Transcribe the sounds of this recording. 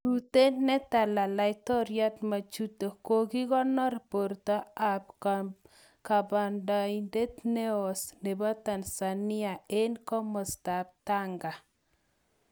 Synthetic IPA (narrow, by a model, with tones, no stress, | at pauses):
ɾut̪e˦nɛ˦t̪a˨la˨la˨jt̪ɔ˦ɾja˦t̪ma˨t͡ʃu˦to˨ko˨ki˦kɔ˦nɔ˦ɾpo˨ɾt̪a˦a˨p | ka˨ba˨nda˨inde˦t̪ne˦˨sne˨ba˦t̪a˨nsa˨nɪ˦a˨e˦nkɔ˦mɔ˨st̪a˨p̚t̪a˦ŋɡa˨